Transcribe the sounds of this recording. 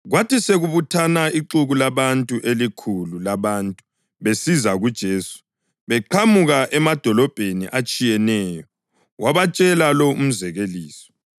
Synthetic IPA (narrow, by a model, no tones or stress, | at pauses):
ɣwatʰiseɣuβutʰanaiǃuɣulaβantʼuʔelikʰululaβaːntʼu̥ | βesizaɣud̥ʒ̥ʱeːsu̥ | βɛǃʰamuɣaʔɛmad̥ʱɔlɔb̥ʱenḭʔat͡ʃʼijɛnɛːjɔ | wʔaβat͡ʃʼɛlalɔum̩zɛɣeliːsɔ̥